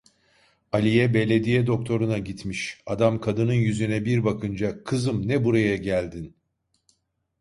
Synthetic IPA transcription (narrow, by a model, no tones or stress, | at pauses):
alʲijɛbe̞lʲe̞d̪ijɛd̪o̞k̚t̪ʰo̞ɾunaɟit̪miʃad̪amkʰad̪ɯnɯnjyzynɛbiɾbakʰɯnd͡ʒakʰɯzɯmnɛbuɾajaɟælʲd̪in